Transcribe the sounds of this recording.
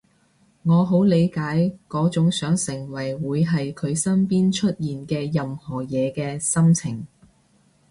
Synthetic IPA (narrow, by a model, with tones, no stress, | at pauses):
ŋɔː˨˧ɦo˨˥wle˨˧jkaː˨˥jkɔː˨˥t͡sʊ˨˥ŋsœː˨˥ŋsɪ˨˩ŋwɐ˨˩jwuː˨˧jɦɐ˨jkʰɵ˨˧ɥsɐ˥npiː˥nt͡ʃʰɵ˥t̚jiː˨nkɛː˧jɐ˨mhɔː˨˩jɛː˨˧kɛː˧sɐ˥mt͡sʰɪ˨˩ŋ